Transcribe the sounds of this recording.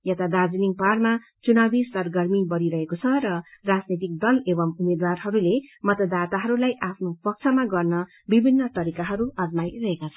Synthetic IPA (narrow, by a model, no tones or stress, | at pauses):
jet̪ad̪ad͡ziniŋparma | t͡sunabisʌrɡʌrmibʌɾiɾʌɦekot͡sʰʌrʌrad͡znit̪̬ik̚d̪ʌlebʌmumed̪warɦʌɾulemʌt̪ʌd̪at̪aɦʌɾulajʔapʰnopʌk̚t͡sʰʌmaɡʌrnʌ | bibʱinːʌt̪ʌɾikaɦʌɾuʌd͡zmajrʌɦekat͡sʰʌ